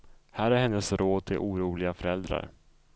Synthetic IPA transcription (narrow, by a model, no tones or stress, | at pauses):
hæːɾæɾhɛnːəsɾoːd̪̚t̪ʰɪlʔuːɾuːlɪɡafœɾɛld̪ɾa̰ɾ